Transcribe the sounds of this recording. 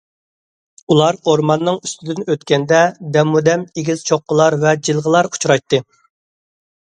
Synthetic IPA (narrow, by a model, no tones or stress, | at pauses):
ulˠɑɾoɾmɑnːɨŋyst̪ʰɪd̪ynøt̪kʲɛnd̪ɛd̪ɛmud̪ɛmeɡʲiz̥t͡ʃʰoqːəlˠɑɾvɛd͡ʒilˠʁəlˠɑɾu̥t͡ʃʰɾɑjt̪ːɨ